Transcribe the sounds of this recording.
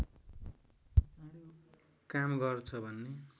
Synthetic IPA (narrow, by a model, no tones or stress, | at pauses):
kamɡʌrt͡sʰʌbʱʌnːe